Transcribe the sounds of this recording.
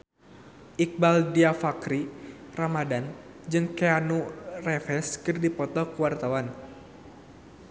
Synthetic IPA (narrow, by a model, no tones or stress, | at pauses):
ʔik̚baldiafakɾiramadan | d͡ʒɨŋkɛanurɛfɛskɨrdipɔt̪ɔkəwart̪awan